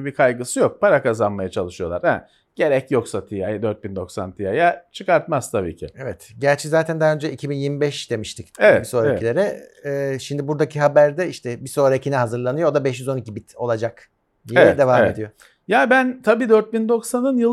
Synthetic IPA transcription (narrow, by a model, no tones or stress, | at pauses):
bikʰajɡɯsɯjo̞k̚pʰaɾakazanmajat͡ʃʰalˠɯʃɯjo̞lˠa̰ɾhɛ̰ | ɟ̥e̞ɾɛcjo̞ksat̪ʰijajad̪øɾt̪̚bind̪o̞ksant̪ʰijajat͡ʃʰɯkaɾt̪maz̥t̪ʰabḭːcʰɪ̰evɛt̪ɟæɾt͡ʃʰɛzaːt̪ʰænd̪aɦaø̞nd͡ʒɛicʰibinjiɾmibɛʃd̪e̞miʃt̪ʰicevbiso̞ːɾacilʲe̞ɾɛː | ʃimd̪ibuɾd̪acʰiɦabæɾd̪ɛiʃt̪ʰɛbiso̞ːɾacʰinɛɦazɯɾlˠanɯjood̪abɛʃjyzo̞nicʲibit̪ʰo̞lˠad͡ʒak | d̪ijeeɛd̪e̞vaːme̞d̪ijo̞ | jaːbænt̪ʰabiːd̪øɾt̪̚bind̪o̞ksanɯnjɯlˠ